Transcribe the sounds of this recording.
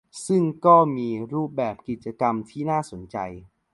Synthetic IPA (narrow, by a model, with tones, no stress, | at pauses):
sɯ˥˩ŋkɔː˥˩miː˧ɾuː˥˩p̚bɛː˨˩p̚ki˨˩t̪̚t͡ɕa˧ka˧mt̪ʰiː˥˩naː˥˩so˩˦nt͡ɕa̰˧j